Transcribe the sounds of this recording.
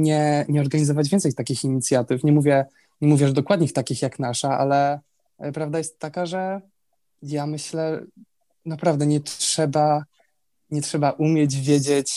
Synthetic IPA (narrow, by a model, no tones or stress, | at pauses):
ɲɛɲɛɔɾɡaɲizɔvad͡ʑvʲjɛntsɛjt̪akʲixiɲit̪sʲjat̪ɘfɲɛmuvʲjɛ | ɲɛmuvʲjɛʐd̪ɔkwad̪ɲixt̪akʲixjaknaʂaʔa̰lɛ | pɾavd̪ajɛst̪ːakaʐɛ | jamɘɕlɛ | napɾavd̪ɛɲɛtʂɛba | ɲɛtʂɛbaʔumʲjɛd͡ʑvʲjed͡ʑet͡ɕ